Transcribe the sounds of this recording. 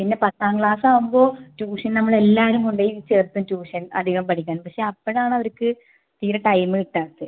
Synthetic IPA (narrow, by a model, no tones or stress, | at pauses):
pinːe̞pɐt̪ːaːŋkɭaːsaːʋumbo̞ːtuːʂɐnnɐmːɐɭe̞lːaːɾumuɳɖejit͡ɕeːrt̪ːumtuːʂɐnɐ̰d̪ʱiɣɐmpɐʈʰikʲːaːnmpɐkʂe̞ɐpːɐɽaːɳɐʋɐɾukːɨ | t̪iːɾɐʈɐjmɨiʈːaːt̪ːɨ